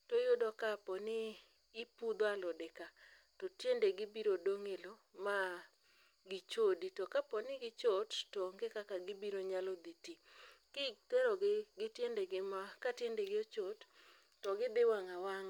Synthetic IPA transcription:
tojʊdɔkapɔnɪː | pud̪oalɔdɛka | totjendeɡɪbiɾodoŋelo | ma | ɡɪt͡ʃoditɔkapɔnɪɡɪt͡ʃotːɔŋɡɪkakaɡɪbiɾoɲalɔd̪itikɪt̪ɛɾoɡɡɪtjendeɡɪmakatjendeɡɪot͡ʃotː | ɔɡɪd̪ɪwaŋawaŋ

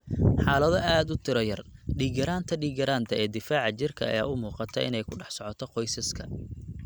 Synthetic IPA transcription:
ħɑːlɐðɔʔaːd̪ʊt̪ʰɪɾɔjɐrɖiːɡɐɾaːnt̪ʰɐɖiːɡɐɾaːnt̪ʰɐɛːd̪ɪfaːʕɑt͡ʃɪrkʰɐɐ̰jaːʊmuːqɑt̪ʰɐʔɪ̰nɛjkʰʊɖɑħsɔʕɔt̪ʰɔqɔjsɐskʰɐ

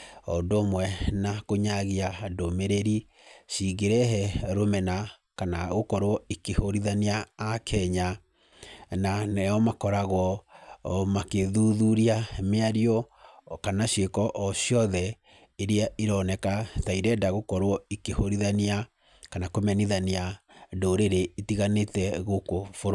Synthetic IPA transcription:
ɔndomwɛnakoɲaɣiadomeɾeɾi | ʃiɣeɾɛɦɛɾomɛna | kanaɣokɔɾwɔikehoɾiðaniaːkʰɛɲa | nanɛɔmakɔɾaɣwɔ | makeðuðuɾiameaɾiɔ | kanaʃekɔʔɔɕiɔðɛ | eɾeaiɾɔnɛkataiɾɛdaɣokɔɾwɔikehoɾiðania | kanakomɛniðaniadoɾeɾeitiɣanetɛɣokofoɾ

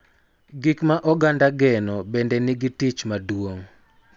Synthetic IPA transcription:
ɡikmaʔɔɡandaɡɛnɔbendɛniɡitit͡ʃmadwoŋ

